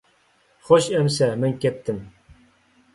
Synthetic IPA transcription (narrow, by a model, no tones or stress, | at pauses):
χoʃɛmsɛmɛŋkʲɛt̪ʰːɪm